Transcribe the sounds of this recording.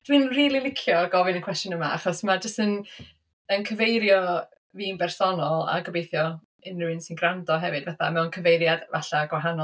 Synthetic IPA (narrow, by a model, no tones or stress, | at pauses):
d̥winriːlˠilˠɪkʰjɔɡɔvɪnənkwɛstjɔnəmaa̰χɔsmad͡ʒəstən | ənkʰəvejɾjɔ | viːnbɛrsɔnɔlˠa̰ɡəbejθjɔ | ɪnrɪwɨnsɪnɡrandɔɦɛvɨdvaθamɛwnkʰəvejɾjadva̰ɬaɡwaɦanɔ